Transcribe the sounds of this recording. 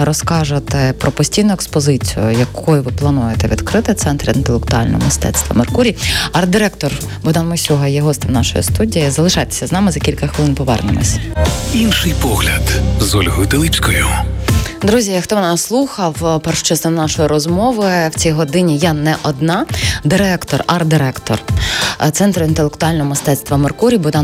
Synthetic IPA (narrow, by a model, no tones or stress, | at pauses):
ɾɔskɑʒɪt̪ɛpɾɔpɔsʲtʲijnʊɛkspɔzɪt͡sʲijʊ̰jɐkʰɔjʊʋɪplˠɐnujet̪ɛʋʲḭd̪kɾɪt̪ɪt̪sɛnt̪ɾɐint̪elˠek̚t̪ʊɑ̰lʲnɔ̰ɦɔ̰mɪst̪ɛ̰t̪st̪ʋɐ̰merkuɾʲiɐɾd̪ɪɾɛkt̪ɔr | bʊd̪ɑnmɔsʲuɦɐjɛɦɔst̪ɪmnɑʃɔ̰jḭst̪udʲijizɐlˠɪʃɑjt̪e̥sʲɐznɑmɪzɐkʲilʲkɐxʋɪlɪnpɔʋɛ̰rnɪ̰mˠɔ̰sʲinʃɪjpɔɦlʲɐd̪zɔlʲɦɔjʊt̪ɪlˠipʲsʲkɔjʊ | d̪ɾuzʲiɐxt̪ɔʋnɑsslˠuxɐwpɛrʃt͡ʃɛst̪ɛmnɑʃɔjiɾɔzmɔʋɪwt͡sʲijɦɔd̪ɪnʲijanɛʔɔd̪nɑd̪ɪɾɛkt̪ɔrɐrd̪ɪɾɛkt̪ɔ̰rt̪sɛnt̪ɾɔint̪elˠekt̪ʊɑlʲnɔɦɔmɪst̪ɛt̪st̪ʋɐmerkuɾʲibʊd̪ɑ